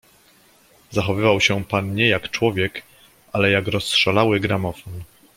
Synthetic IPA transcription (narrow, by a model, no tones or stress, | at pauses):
zaxɔvɘvawɕɛpanɲɛjakt͡ʂwɔvʲjɛk | ʔalɛjakɾɔstʂalawɘɡɾamɔfɔn